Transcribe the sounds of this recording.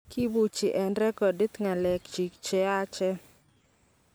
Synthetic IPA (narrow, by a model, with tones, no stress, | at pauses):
ki˦bu˨t͡ʃi˨ʔɛ˨ndɾɛ˦kɔ˨di˦t̪ŋa˨lɛ˨kt͡ʃi˨kt͡ʃɛ˦a˦t͡ʃɛ˦